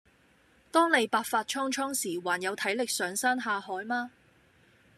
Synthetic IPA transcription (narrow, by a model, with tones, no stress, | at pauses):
t̪ɔː˥ŋne˨˧jpaː˧t̚faː˧t̚t͡ʃʰɔː˥ŋt͡ʃʰɔː˥ŋsiː˨˩waː˨˩njɐ˨˧wt̪ʰɐ˨˥jlɪ˨k̚sœː˨˧ŋsaː˥nɦaː˨˧hɔː˨˥jmaː˥